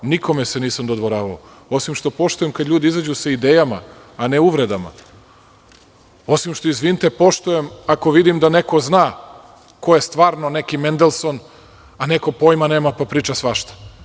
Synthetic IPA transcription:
nikʰo̞meseniːsamd̪od̪ʋoɾaːʋao | o̞simʃt̪o̞po̞ʃt̪ujemkad̪lʎʲuːd̪iizad͡ʑuseid̪eːjama̰ː | neuʋɾed̪ama̰ | o̞simʃt̪o̞izʋint̪epo̞ʃt̪ujemako̞ʋid̪imd̪ane̞ko̞znaː | ko̞jest̪ʋaːɾno̞ne̞kimend̪elˠso̞n | ane̞kopo̞jmaneːmapapɾiːt͡ʃasʋaʃt̪ḁ

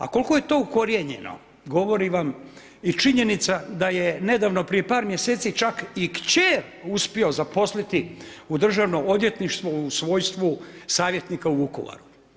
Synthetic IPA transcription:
a̰ko̞lko̞je̞t̪o̞ːuko̞ɾjeɲe̞̰no̰ | ɡo̞ʋo̞ɾiʋam | it͡ʃiɲe̞nit̪sad̪ajene̞d̪aːʋno̞pɾije̞paːɾmjeseːt̪sit͡ʃakikt͡ɕeɾ | uspio̞zapo̞slit̪iud̪r̩ʒaʋno̞od̪je̞t̪niʃt̪ʋousʋo̞ːjst̪ʋusaːʋje̞t̪nikauuko̰ʋa̰ɾu

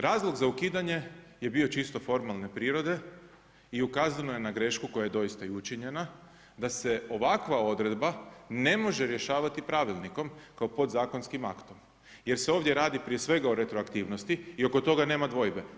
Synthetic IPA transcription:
ɾaːzlˠo̞ɡzaukiːd̪aɲe̞je̞bio̞t͡ʃist̪o̞fo̞ɾmalˠne̞pɾiːɾo̞d̪e̞ | iukaːzano̞je̞naɡɾe̞ʃkuko̞jaje̞d̪o̞jist̪aiut͡ʃiɲe̞na | d̪ase̞o̞ʋakʋao̞d̪ɾe̞d̪bane̞mo̞ʒe̞ɾje̞ʃaːʋat̪ipɾaʋilˠniko̞mkaopo̞d̪zaːko̞nskima̰kt̪o̞m | je̞ɾse̞o̞ːʋd̪jeɾaːd̪ipɾije̞sʋe̞ɡao̞ɾe̞t̪ɾoakt̪iːʋnost̪iio̞kot̪o̞ɡane̞ːmad̪ʋo̞jbe̞

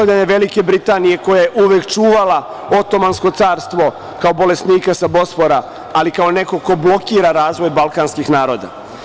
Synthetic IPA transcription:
aʎaɲeʋe̞like̞bɾit̪aːnije̞ko̞jajeʔuʋekt͡ʃuːʋala | o̞t̪o̞mansko̞t̪saːɾst̪ʋo̞ | kaobo̞le̞sniːkasabo̞spoɾa | alikao̞ne̞ko̞ko̞blo̞kiːɾaɾaːzʋo̞jbalˠkaːnskixnaːɾo̞ːd̪a̰

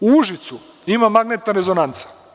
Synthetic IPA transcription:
uuʒit̪su | imamaɡnet̪naɾe̞zo̞nant̪sḁ

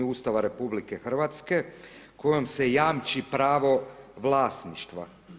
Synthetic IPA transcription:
ust̪aʋaɾe̞publike̞xr̩ʋat̪ske̞ | ko̞jomsejaːmt͡ʃipɾaːʋo̞ʋlˠaːsniʃt̪ʋa̰

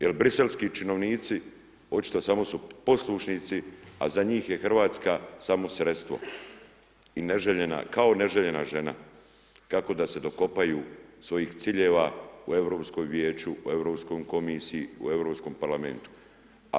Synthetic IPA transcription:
je̞lbɾise̞lskit͡ʃino̞ʋniːt̪si | o̞t͡ʃi̥t̪o̞samo̞supo̞slˠuʃnit̪sia̰zaɲiːxje̞xr̩ʋaːt̪skasamo̞sɾe̞t̪st̪ʋo̞̰ | ineʒeʎena̰kao̞ne̞ʒe̞ʎe̞naʒe̞na̰ | kako̞d̪ase̞d̪o̞ko̞pajuːsʋo̞jiːxt̪siʎe̞ːʋaue̞ʋɾo̞ːpsko̞jʋje̞ːt͡ʃuue̞vɾo̞ːpsko̞jko̞misijiṵe̞ʋɾo̞ːpsko̞mpaɾlame̞̰nt̪u̥

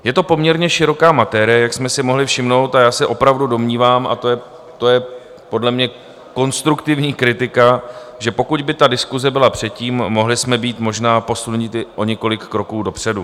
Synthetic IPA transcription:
jɛt̪o̞po̞mɲɛɾɲɛʃɪɾo̞kaːmat̪ɛɾɪjɛjaksmɛsɪmoɦlɪfʃɪmno̞wt̪ajaːsɛʔo̞pɾavdudo̞mɲiːvaːmʔa̰t̪ojɛ | t̪o̞jɛ | po̞dlɛmɲɛ | ko̞nst̪ɾukt̪ɪvɲiːkɾɪt̪ɪka | ʒɛpo̞kuɟbɪt̪adɪskuzɛbɪlapr̥ɛt̪̚ciːmːo̞ɦlɪsmɛbiːt̪mo̞ʒnaːpo̞sulɲɪt̪ɪʔo̞ɲɛko̞lɪkːɾo̞kuːdo̞pr̝̥ɛdu

